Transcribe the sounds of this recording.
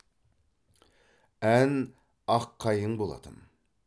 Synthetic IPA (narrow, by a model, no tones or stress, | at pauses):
æn | ɑqʰːɑjəɴbolˠɑ̰d̪ə̰n